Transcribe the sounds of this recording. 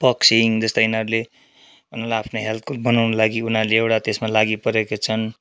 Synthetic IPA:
pʌksiŋd͡zʌst̪ʌinʌɾule | bʱʌnolaapʰnoɦelt̪ʰkulbʌnawnʌlaɡiunaleewʈat̪esmalaɡipʌɾekot͡sʰʌn

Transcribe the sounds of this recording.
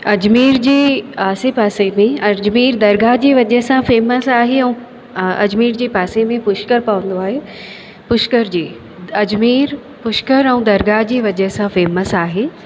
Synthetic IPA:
ɐd͡ʑmiːɾd͡ʑeːaːsepaːsemẽɐd͡ʑmiːɾd̪ɐɾɡad͡ʑeːʋɐd͡ʑəɦsãfeːməsaːɦeɛ̃ũ | ɐ̰d͡ʑmiːɾd͡ʑeːpaːsemẽpʊʃkəɾpɐʋə̃n̆d̪oaːɦeː | pʊʃkəɾd͡ʑeː | ɐd͡ʑmiːɾ | pʊʃkəɾɛ̃ũd̪ɐɾɡad͡ʑeːʋɐd͡ʑəɦsãfeːməsaːɦeː

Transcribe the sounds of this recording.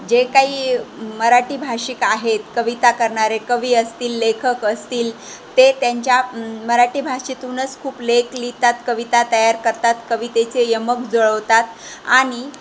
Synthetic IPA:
d͡ʑekaɦiːməɾaʈiːbʱaɕikaɦet̪kəʋit̪akəɾɳaɾekəʋiːəst̪iːlːekʰəkəst̪iːl | t̪et̪jaɲt͡ɕjaməɾaʈiːbʱaʂit̪unət͡skʰuːpleklit̪at̪kəʋit̪at̪əjaɾkəɾt̪at̪kəʋit̪et͡sejəmək̚d͡zoɭəʋt̪at̪ | aɽ̃i

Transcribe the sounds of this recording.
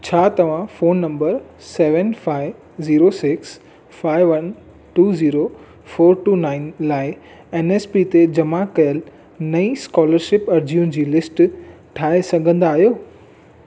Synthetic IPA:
t͡ɕʰaːt̪ɐʋ̤ãfoːnːɐ̃mbəɾsɛːʋənfaːɪ | ziːɾosɪks | faːɪʋʋɐn | ʈuːziːɾo | foːɾʈuːnaːɪnlaːɪ | ɛːneːspit̪ed͡ʑɐmakɐjəl | nɐiskɔːləɾʃɪpɐɾd͡ʑiʊnɪ̆d͡ʑiːlɪsʈ | ʈʰaːesɐɡʱə̃nd̪aːɦjoː

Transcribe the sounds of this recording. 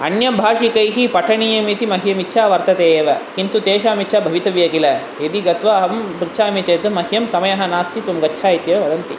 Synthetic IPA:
ɐ̰njɐmbʱaːʂikɐjɦipɐʈʰɐɳiːjɐmit̪imɐɦijɐmiʃʰaːʋɐɾt̪ɐt̪eːjɐʋɐkint̪ut̪eːʃaːmit͡ʃʰɐbʱɐʋit̪ɐʋjɐkilɐ | ed̪iɡɐt̪ʋaːɦɐmpɾit͡ʃʰaːmit͡ʃɐjd̪ɐmɐɦjɐmsɐmɐjɐɦɐnaːst̪ʰit̪ʋɐmɡɐtːʃʰaːjit̪jɐʋɐʋɐd̪ɐnt̪i

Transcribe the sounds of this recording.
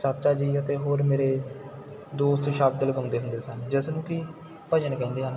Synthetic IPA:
t͡ʃəɾt͡ʃaːd͡ʒiːət̪eːɦoːɾmeːɾeː | d̪oːst̪ʃaːb̚d̪əlɡəːnd̪eːɦʊ̃nd̪eːsənd͡ʒɪsnũːkɪ | pəd͡ʒənkɛ̃ːnd̪iːɦən

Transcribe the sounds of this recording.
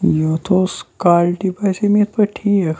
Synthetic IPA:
jot̪ʰoskaːlʈipasemit̪̚pɐʈʰie

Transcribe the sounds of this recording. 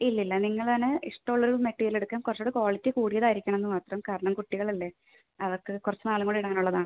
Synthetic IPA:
ilːɐilːɐniŋːɐɭt̪ɐnːeiʂʈːɐɭːoɾuumeʈːijileɽukːaːmkurɐt͡ɕːoːɽɨkoːɭit̪ʲːɨkuːɽijɐðaːjiɾikʲːɐɳɐme̞nːɨmaːt̪rɐmkaːɾɐɳɐmkuʈːiɣɐɭɐlːeː | ɐʋɐrkːɨkurɐt͡ɕːɨnaːluŋːɡoɳɖiɽaːnuɭːɐðaːɳɨ

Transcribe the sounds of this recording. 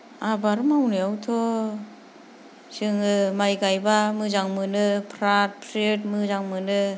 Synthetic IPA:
abaɾɯmawniawtʰɔ | sɯŋɯmajɡajbamɯzaŋmɯnɯpʰɾat̚pʰɾet̚mɯzaŋmɯnɯ

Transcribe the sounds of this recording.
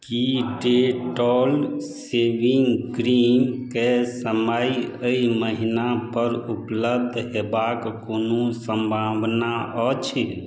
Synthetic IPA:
kiɖeʈɔlsebiŋɡɡɾimkesəmajəiməɦinapəɾupləb̚d̪ʱɦebakkonosəmbʱabnaɔt͡ʃʰ

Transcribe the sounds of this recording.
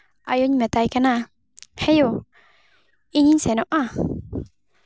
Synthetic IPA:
ʔa̰joɲmɛt̪ajkana | hejo | iɲiɲsenoʔa

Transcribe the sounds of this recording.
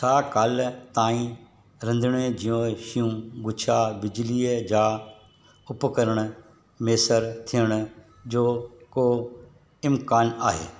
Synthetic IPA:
sʰaːkaːlt̪ãːĩ | ɾɐ̃nd̪ʱɽ̃ed͡ʑijõʃijũɡʊt͡ʃʰabɪd͡ʒliːəd͡ʑaː | ʊpkəɾəɽ̃ʊ̆ | meːsəɾt̪ʰijəɽ̃ʊ | d͡ʑoːkoː | ɪmkaːnaːɦḛː

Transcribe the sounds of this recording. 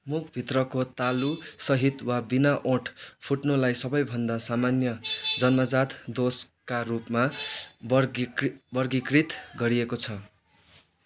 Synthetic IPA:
mukʰbʱit̪rʌkot̪alusʌɦit̪wabinaʔõʈʰpʰuʈnolajsʌbʌjbʱʌnd̪asamanjʌd͡zʌnmʌd͡zat̪d̪oskarupmab | bʌrɡikrit̪ɡʌɾiekot͡sʰʌ

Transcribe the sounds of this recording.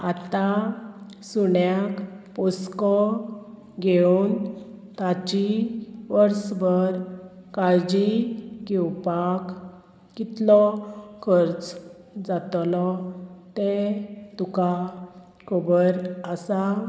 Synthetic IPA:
at̪a | suɳjakpuskɔ | ɡeunt̪at͡ɕiʋəɾsbəɾ | kaɭd͡ʑiɡɛwpak | kit̪lɔkʰəɾt͡s | d͡zat̪lɔt̪et̪uka | kʰobəɾəsa

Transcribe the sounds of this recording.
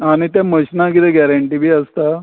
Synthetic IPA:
aɽ̃it̪jaməɕnakit̪ɛɡɛɾaɳʈiːbʱiːəst̪a

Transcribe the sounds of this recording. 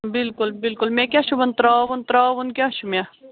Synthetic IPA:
bɪlkʊlbɪlkʊlmẽkʲaːʃubɐnt̪ɾaːʋunt̪ɾaːʋunkʲjaːʃʰumʲe

